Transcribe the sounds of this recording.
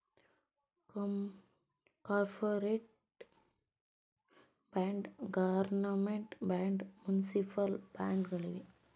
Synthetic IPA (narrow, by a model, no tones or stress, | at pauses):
k | kaːɾfɐɾeʈ | baːɳɖɡɐʋɐɾnɐmeɳʈbaːɳɖmjunisipɐlb̥aːɳɖɣɐɭile